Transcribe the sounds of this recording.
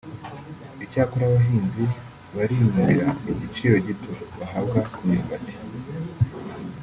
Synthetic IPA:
icaːkuɾaβaɦiːnzi | βaɾiːmuiɾaiɟit͡ʃiːɾo̞ɟitʰo̞βaɦabɡakumibati̥

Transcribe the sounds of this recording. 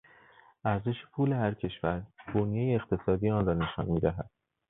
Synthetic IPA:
ʔæɾze̞ʃe̥pʰuːle̞hæɾcʰe̞ʃvæɾb̥onijejeːxt̪ʰe̞sɒːd̪iːɒːnrɒːne̞ʃɒ̰ːnmiːd̪æɦæd̪̥

